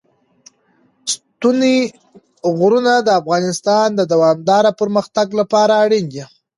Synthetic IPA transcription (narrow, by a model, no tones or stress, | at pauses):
st̪une | ɣɾunad̪əafɣɑnɪst̪ɑnd̪əd̪awɑmd̪ɑɾapəɾməxt̪aɡlapɑɾaːɽind̪i